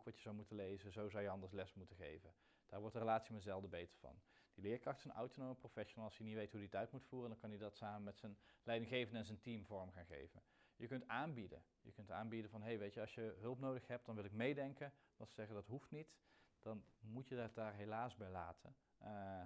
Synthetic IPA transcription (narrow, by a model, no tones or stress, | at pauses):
owkʋɑtjəzawmutənlejzəzowzɑwjəɑndəɹslɛsmutəχḛjvən | d̥aːɹʋɔɹtdərəlaːtsimɛtzɛlˠdəbejtə̥ɹv̥ɑ̰nd̥ilɪːɹkrɑxtsənʔa̰wtonoməprofɛʃonalˠɑsjənitʋejtɦuditœɥtmutfuːrəndɑnkɑnjədɑtsaːmənmɛtsənlɛjdɪŋɣejvəndɛnzəntimvɔɹmχaːnχḛjvə̰n | jəkɵntaːnbidə̰n | jəkɵntaːnbidənvɑnɦejʋejtəɑlˠsjəɦɵlˠpnowdəxɦɛp̚td̥ɑnʋɪlˠɪkmejdɛŋkəndɑtsəz̥ɛɣədɑtɦuftnitd̥ɑnmutjədadaːɹɦelaːsbɛjlaːtʰə̰